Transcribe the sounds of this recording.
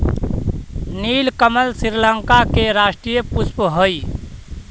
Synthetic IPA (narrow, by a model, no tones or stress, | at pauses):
niːlkəməlsɪɾləŋkakeɾaːʃʈɾijəpʊspɦoi